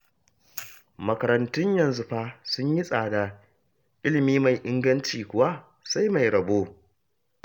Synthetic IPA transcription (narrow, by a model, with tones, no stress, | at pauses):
mɐ˨kɐ˨ɾɐ˨ntʊ˦ɲjɐ˨nzʊ˦ɸaː˦sʊ˦ɲji˦sʼaː˨da˨ | ʔɪ˦lɪ˨miː˦ma˨jʔɪ˦ŋɡɐ˦nt͡ʃiː˨kʷʊ˨wa˦ | sa˦jma˨jɾɐ˨boː˦